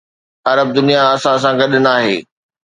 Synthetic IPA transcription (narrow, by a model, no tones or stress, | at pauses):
ɐɾəb̚d̪ʊnijaɐsãs̬ãɡɐɗɪnaːɦḛː